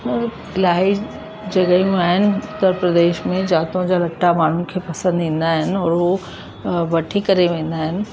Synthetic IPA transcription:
laːi | d͡ʑɐɡəijũaːɦɪnɪ̆ʊt̪ːəɾpɾəd̪eːʃmẽd͡ʒaːt̪õd͡ʑalɐʈːamaːn̤unkʰepɐsə̃nd̪ẽːnd̪aɦɪnɪ̆ɔːɾʋo | bɐʈʰikɐɾeʋẽːnd̪aɦɪnɪ̆

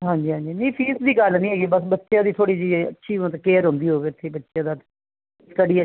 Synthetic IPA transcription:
ɦãːɲd͡ʒiːɦãːnd͡ʒiːnĩːpʰiːsd̪iːɡəlnĩːɦeːɡibəsbətːʃjãːd̪iːt̪ʰoːɽiːd͡ʒiːə̰tːʃʰĩːt̪ːkeːɾɦʊ̃nd̪iːɦoːʋeːɪt̪ʰːeːbətːʃjãːd̪aːt̪ | skəɽiːə

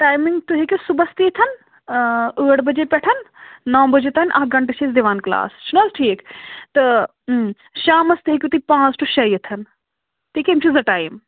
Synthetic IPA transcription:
ʈaːjmiŋɡt̪uɦiekʲusubɐst̪it̪ʰɐn | əːɽbɐd͡ʒepɛʈʰɐnnɐːbɐd͡ʒet̪ʰnʔɐɦɡɐɳʈeʃʰɐzd̪iʋaːnkla̰ːst͡ʃʰunɐzʈʰiːkt̪ɨ | ʃaːmɐst̪ɐɦikʲjut̪ipãːt͡sʈuʃɐjɐt̪ʰɐn | t̪iːkeimt͡ʃʰizɐʈaːjm

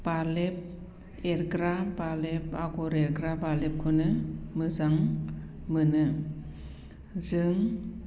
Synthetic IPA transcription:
balep̚ | eɾɡɾabalep̚aɡɔɾeɾɡɾabalep̚kʰunɯmɯzaŋmɯnɯ | zɯŋ

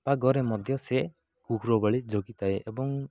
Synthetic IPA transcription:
paɡɔɾɛmɔd̪ʱjɔsɛ | kukʰɾɔbaɭid͡ʒɔɡit̪ajeʔɛbɔŋ

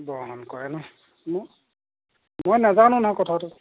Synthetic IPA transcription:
bɔɦɔnkɔjɛnɛ | m | mojnazanʊ̃nãkɔtʰatʊ

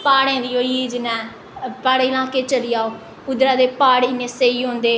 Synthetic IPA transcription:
paːɽẽːd̪ioːid͡ʒɪnɛ̃ː | paːɽeːlãːkeːt͡ʃəlijaːoː | pʊd̪ɾãːd̪eːpaːɽinẽseːiːɦõnd̪eː

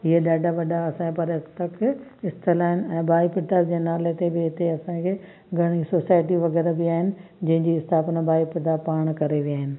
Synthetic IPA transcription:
ɪɦeɗaːɖaʋɐɗaɐsãkpɐɾɪt̪ɐkɪst̪əlaːɦɪnɪɛ̃ːbaːipɪt̪ad͡ʑeːnaːlet̪ebɪɪt̪eɐsãkʰeː | ɡʱɐɽ̃isoːsaːɪʈ̬iʋɐɣɛːɾabɪaːɦɪnɪ̆ | d͡ʑɐ̃ɦɪ̃ɲd͡ʑiɪst̪ʰaːpnabʱaːipɪt̪apaːɽ̃kɐɾeʋiaːɦɪnɪ̆

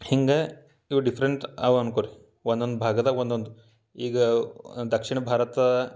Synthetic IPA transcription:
hiŋɡɐ | iʋɐɖipʰɐɾeɳʈa̰ːʋɐnkoːɾi | ʋond̪ond̪ubʱaːɡɐd̪ɐʋond̪ond̪u | iːɡɐd̪ɐkʂiɳɐbʱaːɾɐt̪ɐ

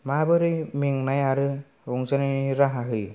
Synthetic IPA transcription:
mabɯɾɯmiŋnajaɾɯ | ɾuŋd͡ʒaniɾaɦaɦɯ

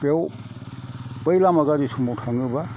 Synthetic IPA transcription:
pew | pəjlamaɡadisumɔwtʰaŋɯba

